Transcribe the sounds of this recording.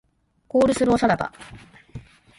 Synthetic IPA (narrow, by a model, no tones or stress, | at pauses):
ko̞ːɾɯ̟sɨɾɯosaɾat̪a̰